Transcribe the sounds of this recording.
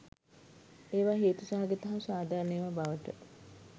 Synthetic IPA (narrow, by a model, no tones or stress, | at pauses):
eːʋaːɦeːt̪usaɦaɡet̪ɐɦɐmsaːd̪ʱaːɾənejʋabaʋəʈə